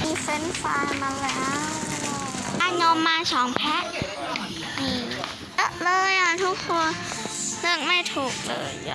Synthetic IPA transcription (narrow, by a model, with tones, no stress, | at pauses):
miː˧˥fe˦˥nfaː˧˩ma˧˥nlɛː˦˥w | ʔa˧˩ɲo˧mːaː˧t͡ɕʰɔː˩˦ŋpʰɛ˦˥ʔ | ʔiː˧˩ | ʔɤ˧˩ʔlɤː˧jʔa˧˩t̪ʰu˦˥k̚ku˧ənnɯ˥˩əŋma˥˩jt̪ʰuː˨˩k̚lɤː˧j